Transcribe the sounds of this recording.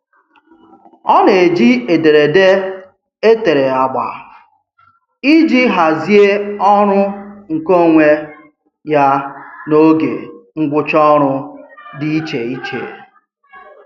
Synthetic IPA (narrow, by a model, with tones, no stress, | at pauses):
ɔ˦ne˨d͡ʒi˦e˨de˨ɾe˨de˦ | e˦te˨ɾe˨a˨ɡ͡ba̰˨ | i˦d͡ʒi˦ɦa˨zi˦e˦ɔ˦ɾʊ˦ŋ̩˨ko˦˨ŋʷe˦ | ja˦no˦ɡḛ˨ŋ̩˦ɡʷʊ˦t͡ʃɔ˦ɾʊ˦di˦i˦t͡ʃe˨i˦t͡ʃḛ˨